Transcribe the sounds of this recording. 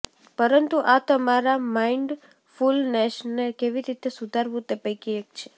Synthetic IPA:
pəɾənt̪uʔat̪əmaɾamaiɳɖ | fulnɛʃnekeʋiɾit̪esud̪ʱaɾbut̪epəkijekt͡ʃʰe̥

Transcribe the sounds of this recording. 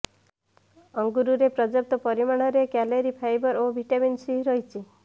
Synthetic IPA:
ɔŋɡuɾuɾepɾɔd͡ʒɔp̚t̪ɔpɔɾimaɽ̃ɔɾeɡaleɾipʰajbɔɾobʱiʈabinsiɦɾɔjt͡ʃʰi

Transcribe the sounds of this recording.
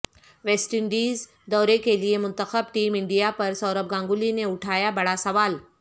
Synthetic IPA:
ʋeːsʈɪɳɖiːz | d̪ɔːɾekeliemʊnt̪əxəbʈiːmɪɳɖijapɐɾsɔːɾəp̚ɡãːŋɡulineʊʈʰaːjabɐɽasɐʋaːl

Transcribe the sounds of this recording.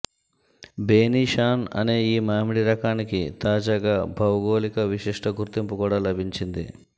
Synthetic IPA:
beːniːʃaːnɐ̰ne̞ːiːmaːmiɽiɾɐkaːnikit̪aːd͡ʒaːɡaːbʱɐwɡo̞ːlikɐʋiʂiʂʈʰɐɡuɾt̪impukuːɽaːlɐbʱiɲt͡ʃind̪ḭ

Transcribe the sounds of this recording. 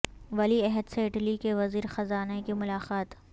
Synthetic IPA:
ʋɐliɛɦəd̪seɪʈlikeʋɐziːɾxɐzaːnakimʊlaːqaːt̪

